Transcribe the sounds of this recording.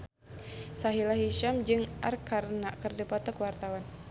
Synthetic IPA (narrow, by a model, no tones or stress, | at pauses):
saɦilaɦiʃamd͡ʒɨŋʔarkarnaʔkɨrdipɔt̪ɔkwart̪awan